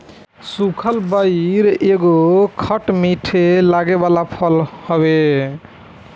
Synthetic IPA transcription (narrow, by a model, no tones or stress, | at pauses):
sukʰəlbəiɾeɡokʰəʈmiʈʰelaɡebalapʰəlhɔbe